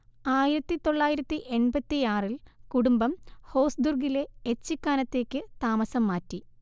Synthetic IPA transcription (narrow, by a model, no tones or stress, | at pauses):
aːjiɾɐt̪ːit̪o̞ɭːaːjiɾɐt̪ːiʔenbɐt̪ːiaːrilkuɽumbɐmho̞ːsd̪urɡile̞et͡ɕːikːaːnɐt̪ːe̞ːkːɨt̪aːmɐsɐmːaːtːi